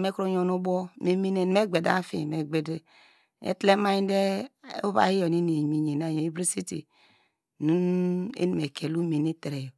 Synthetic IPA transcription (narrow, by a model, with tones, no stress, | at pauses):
me˦kɾo˦ɲo˨nu˦bɔ˦me˨mi˦ne˦˨n˦me˦ɡ͡be˨da̰˦fḭ˦me˨ɡ͡be˨de˦ | ḛ˦tle˦ma˦i˦n˦de˦u˦ba̰˦hi˦jo˨ni˦ne˨ɲi˨ɲe˨na˦˨je˨i˦bɾi˦si˦tḭ˨ | nu˦ḛ˦ni˨me˨kʰe˨lu˦me˨ni˦te˨ɾe˨jo˨